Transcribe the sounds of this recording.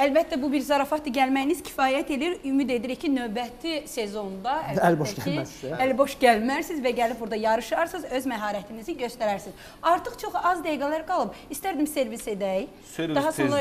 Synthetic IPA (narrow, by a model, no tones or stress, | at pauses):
ælbæt̪ʰːæbubiɾzɑɾɑfɑt̪ʰːɯɟælmæjiniz̥cʰi̥fɑːjæt̪ʰe̞liiɾymid̪e̞d̪iɾicʰinø̞vbæt̪ʰise̞zo̞nd̪ɑæælboʃæliælbo̞ʃɟælmæɾsizvæɟælib̚buɾd̪ɑjɑɾɯʃɑɾsɯzø̞zmæɦɑːɾæt̪ʰiniziɟø̞st̪æɾæɾsiz | ɑɾt̪ʰɯχt͡ʃʰo̞χɑzd̪æjɡælæɾɡɑlˠɯbist̪æɾd̪imse̞ɾvise̞d̪æj̪ | ɑɦɑsonlˠɑ